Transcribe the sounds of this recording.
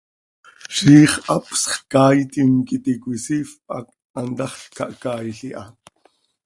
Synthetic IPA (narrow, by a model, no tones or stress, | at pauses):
ʃiːχʔɑpsχkaːjt̪imkit̪ikʷisifʔɑ̰k | ʔant̪ɑχɬkɑʔkaːjɬiʔɑ